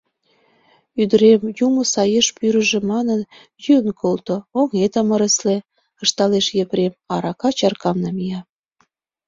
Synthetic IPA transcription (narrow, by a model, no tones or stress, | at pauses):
yd̪əɾemjumŏsɑjeʃpyɾə̆ʒĕmɑnən | jynkʰolt̪ooŋet̪əmə̆ɾəsle | ə̆ʃt̪ɑleʃjepɾemɑɾɑkɑt͡ɕɑrkɑmnɑmijɑ